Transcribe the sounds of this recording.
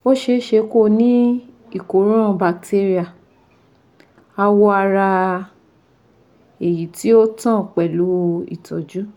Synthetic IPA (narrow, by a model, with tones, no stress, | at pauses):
o˦ʃe˧˦ʃe˧ko˦˨nĩ˦ | i˨ko˨˦ɾ̃ũ˦ã˧ba˨k̚tʰe˧ɾi˦a˨ | a˧wo˦a˧ɾa˧ | e˨ji˨˦ti˦o˦tã˦˨k͡pɛ˨lu˨˦ḭ˦˨tɔ˨d͡ʒu˦